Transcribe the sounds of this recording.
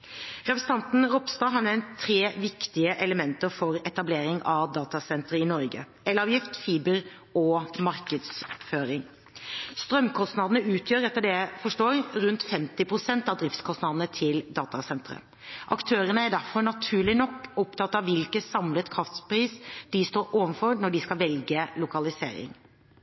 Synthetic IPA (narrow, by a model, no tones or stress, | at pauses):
ɾɛpəst̪ʰɑnt̪n̩ɾɔpst̪ɑːɦɑnʋɛɪnt̪ʰːɾeːʋɪkt̪ɪəʔɛləmɛnt̪əɾfɔɾɛt̪ɑbleːɾɪŋɑʋd̪ɑːt̪ɑsɛnt̪ɾəɪnɔɾɡə̰ | ɛlɑʋjɪft̪fiːbəɾ | ɔmɑɾkəd̪sføːɾɪŋ | st̪ɾœmkʰɔst̪nɑːd̪ənəʉːt̪ʰjøːɾɛt̪ːəɖ̪ɛæɪfɔʂʈoːɾɾʉnt̪fɛmt̪ɪpʰɾʊsɛnt̪ɑʋd̪ɾɪft̪skʰɔst̪nɑd̪nət̪ʰɪld̪ɑːt̪ɑsɛnt̪ɾə̰ | ʔɑ̰kt̪ʰøːɾənəæɖæɾfɔɾnɑt̪ʰʉːɭɪnɔkːʊpt̪ʰɑt̪ːɑʋʋɪlkəsɑmlət̪kʰɾɑft̪pɾiːsd̪̥ɪst̪oːɾoːʋənfɔɾnɔɖɪskɑlʋɛlɡəlʊkɑlɪsḛːɾɪ̰ŋ